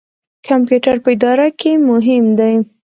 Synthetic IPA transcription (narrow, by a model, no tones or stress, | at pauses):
kʰampjuʈaɾpəɪd̪ɑɾakʰemʊɦɪmd̪aj